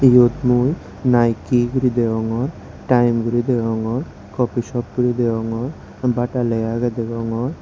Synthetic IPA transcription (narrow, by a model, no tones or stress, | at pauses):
jot̪muj | najkiɡuɾid̪eɔŋɔɾ | ʈajmɡuɾid̪ɛɡɔŋɔɾ | kɔpiʃɔp̚ɡuɾid̪eɔŋɔɾ | baʈalɛjaɡad̪ɛɡɔŋɔɾ